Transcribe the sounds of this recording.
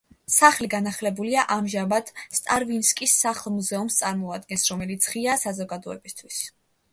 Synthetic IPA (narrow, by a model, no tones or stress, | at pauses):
saχliɡanaχlɛbuliaʔamʒamad̪st̪ʼaɾvinskʼisːaχlˠmuzɛumst̪sʼaɾmɔad̪̚ɡɛnsɾɔmɛlit̪sʰʁiasazɔɡad̪ɔɛbist̪ʰwis